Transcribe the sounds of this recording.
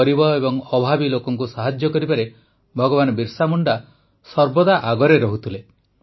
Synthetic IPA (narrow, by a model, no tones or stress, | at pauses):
ɔɾibɔebɔŋɔbʱabilokɔŋkusaɦad͡ʒjɔkɔɾibaɾe | bʱɔɡɔβanɔbiɾsamuɳɖa | sɔɾbɔd̪aʔaɡɔɾeɾɔɦut̪ʰile